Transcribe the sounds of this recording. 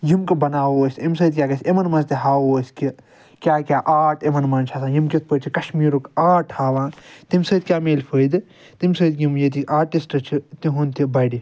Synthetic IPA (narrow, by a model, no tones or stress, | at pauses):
jimkɨbɐnaːoːsʲemsəːt̪̚kʲaːkɐsemɐnmɐst̪iɦaːoːski | kʲaːkʲaːʔaːʈʰemɐnmaːnt͡ʃʰasãːjimkʲet̪̚pət͡ʃʰikɐʃmiːɾukaːʈʰhaːʋãːnt̪imsəːt̪̚kʲjaːmeːlpʰəːjd̪ɨ | t̪imsəːd̪kjimjet̪iaːʈisʈɐt͡ʃʰit̪iɦunt̪ʰibɐːɖi